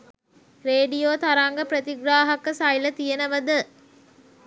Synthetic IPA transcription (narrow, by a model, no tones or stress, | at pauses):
ɾeːɖijoːt̪ɐɾaːŋɡɐpɾɐt̪iɡɾaːɦɐkːəsɐjlɐt̪ijɐnɐʋɐd̪ɨ